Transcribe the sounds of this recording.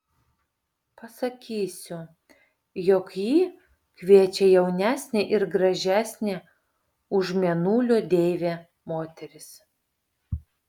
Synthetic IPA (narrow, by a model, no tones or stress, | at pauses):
pɐsɐkʲiːsʲʊ | jɔkjiː | kʲʋʲiɛt͡ʃʲɛjɛʊnʲæːsʲnʲeʔɪɾɡɾɐʒʲæːsʲnʲe | ʊʒmʲɛnuːlʲoːd̪ʲeːʋʲeː | moːt̪ʲɛɾʲɪs